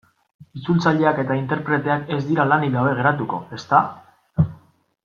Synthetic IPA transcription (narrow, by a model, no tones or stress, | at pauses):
it͡sult͡saʎe̞ake̞t̪aint̪e̞ɾpɾe̞t̪e̞ake̞zd̪iɾalaniɣawβe̞ɣ̞e̞ɾat̪uko̞̰e̞st̪a